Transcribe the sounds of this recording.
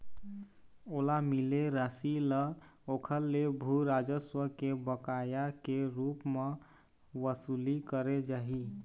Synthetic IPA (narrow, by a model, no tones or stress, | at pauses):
olamileɾasiləokʰəlːebʱuɾad͡ʒəswəkebəkajakeɾupme | ʋəsulikəɾed͡ʒaɦi